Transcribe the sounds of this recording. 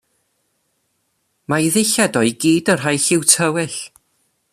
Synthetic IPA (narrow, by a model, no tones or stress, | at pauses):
majðɪjɬɛdɔɨɡiːdərɦajɬɪwtʰəwɪɬ